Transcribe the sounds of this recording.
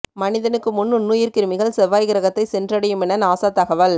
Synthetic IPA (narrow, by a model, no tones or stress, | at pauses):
mɐnɪðɐnɯkːɯmʊnːɯnːʊjɪɾkɪɾɯmɪɣɐɭsɛʋːaːjɣɪɾɐɣɐt̪ːɐɪsɛndrɐɽɛjɯmɛnːɐnaːsaːt̪ːɐɣɐʋɐl